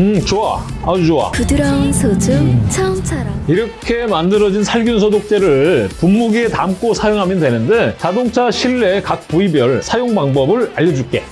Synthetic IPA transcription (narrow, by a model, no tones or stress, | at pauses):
ɯt͡ɕoa | at͡ɕoa̰pudɯɾansʰod͡ʑɯt͡ɕʰat͡ɕʰaɾiɾʌkʰe̞mandɯɾʌd͡ʑinsʰaɭɡjunsʰʌdok̚t͡ɕ͈e̞ɾɯɭpumːuɡietamk͈osʰajoŋɦamjʌndwe̞nɯndet͡ɕadoŋt͡ɕʰaɕʰiɭːe̞kak̚puibjʌɭsʰajoŋbaŋbʌbɯɭaʎːʌd͡ʑuɭk͈e̞̰